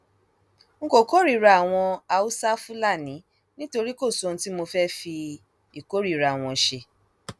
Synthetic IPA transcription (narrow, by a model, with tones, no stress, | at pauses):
ŋ̩˦ko˨ko˦ɾi˦˨ɾa˧˦˨a˨w̃ɔ̃˧a˧u˦sa˦fũ˦la˦˨nĩ˨˦ | nĩ˦to˧ɾi˦ko˦˨so˦n̩˧˦ti˦mo˧fɛ˦fi˧ | i˨ko˨˦ɾi˦˨ɾa˨w̃ɔ̃˧˨ʃe˧